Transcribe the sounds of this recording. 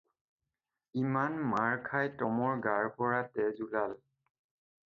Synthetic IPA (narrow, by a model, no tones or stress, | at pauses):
imanmaɹkʰajtɔmɔɹɡaɹpɔɹatɛzulal